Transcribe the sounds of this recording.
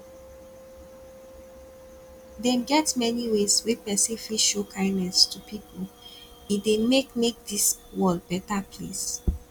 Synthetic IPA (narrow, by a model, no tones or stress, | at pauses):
dɛnɡɛtmɛniwezwepɛsĩfliʃokʰãɪ̃ndnɛstupʰipol | idemekmek̚diswɔld̚bɛtapʰlḛs